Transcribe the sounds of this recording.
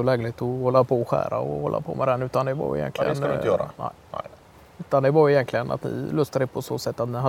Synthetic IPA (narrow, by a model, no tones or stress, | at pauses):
ɔlɛːɡlɪt̪ɔhɔlːapʰɔɧæ̰ːɾaɔhɔlːa̰pʰɔ̰mʔɛd̪ɛnʉ̟ːt̪and̪ɛvɑ̰ɾɪ̰jɛ̰nk̪ʰlɪɡənɪəjœːɾa̰nɛ̰ɪ | ʉ̟ːt̪and̪ɛvɑɾjɛjɛnt̪ʰlɪɡəna̰t̪nɪ̰lœst̪aɾɪpʰɔso̰ːsɛt̪ːat̪nɪɦa